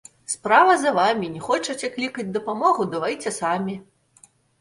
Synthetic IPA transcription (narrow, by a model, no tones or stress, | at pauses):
spɾavɐzɐvamʲinʲɛxɔt͡ʂɐt͡sʲɛklʲikɐd͡zʲd̪ɐpamɔɣud̪ɐvajt͡sʲɛsamʲi